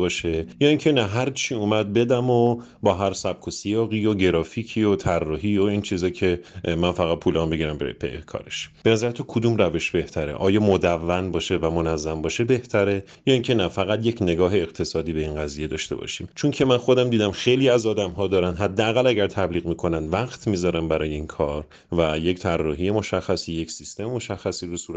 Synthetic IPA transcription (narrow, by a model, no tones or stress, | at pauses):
bɒːʃe̞jɒːiŋcʰe̞næɦæɾt͡ʃʰiːumæd̪̚be̞d̪æmo | bɒːɦæɾsæb̥̚kʰosijɒːɣiːoɟe̞ɾɒːfiːcʰiot̪ʰærːɒːɦiːoiːnt͡ʃʰiːzɒːcʰe̞mænfæɣæd̪̚pʰuːlɒmbeɡiɾæmbḛbḛkʰɒ̰ːɾḛʃb̥e̞næzæɾet̪ʰuːkʰod̪umræve̞ʃb̥e̞ht̪ʰæɾḛʔɒːjɒːmod̪ævːænbɒːʃe̞væmonæzːæmbɒːʃebe̞ht̪ʰæɾe | jɒːiŋcʰe̞næfæɣæd̪je̞cʰne̞ɡɒːɦe̞ːqt̪ʰe̞sɒːd̪iːbe̞inɢæziːje̞d̪ɒ̰ːʃt̪e̞̰bɒ̰ʃḭːmt͡ʃʰoncʰe̞mænxo̞d̪æmd̪iːd̪æmxe̞jliːæzɒːd̪æmɦɒːd̪ɒːɾænd̪ɦæd̪ːeːɣælæɟæɾt̪ʰæbliːɣmiːkʰo̞nænd̪væɣt̪ʰmiːzɒɾæmbæɾɒːjeiːnkʰɒːɾ | væje̞ct̪ʰærːɒːɦijemo̞ʃæxːæsiːje̞csist̪e̞memoʃæxːæsiːɾusuːɾ